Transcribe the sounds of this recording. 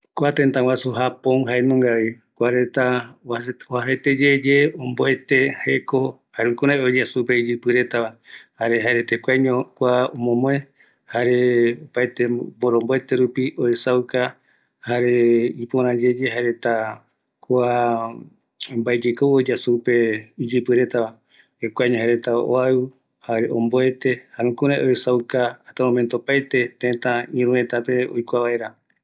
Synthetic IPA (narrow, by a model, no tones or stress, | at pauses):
kʷat̪ẽnt̪ãwasuɦapõŋɦaenõŋɡaβi | kʷaɾet̪aawaɦet̪ed͡ʒed͡ʒe̞õmboet̪e̞he̞ko | haɾukuɾaeod͡ʒasupeid͡ʒɨpɨɾe̞t̪aβahaɾeɦaeɾet̪ekʷaɲõkʷaomõmõẽ | haɾe̞opaet̪eboɾomboet̪e̞ɾupiʔoesawka | haɾeipoɾ̃ãd͡ʒe̞d͡ʒeɦaɾe̞t̪a | koa | mbaed͡ʒekood͡ʒasupe̞id͡ʒɨpɨɾet̪a | hekʷaɲoɦaɾet̪aʔo̰aɨ | haɾeʔõmboet̪e̞hanũkũɾãʔoesawkaːt̪amõmẽnt̪oopajt̪e̞t̪ẽt̪ãĩɾũẽt̪ape̞o̰jkʷaβae̞ɾa